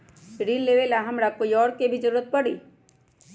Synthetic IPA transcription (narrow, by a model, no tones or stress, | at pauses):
ɾiːnleːʋelaɦɐmɾakoːiɔːɾkebʱid͡ʒəɾuːɾət̪̚pəɽi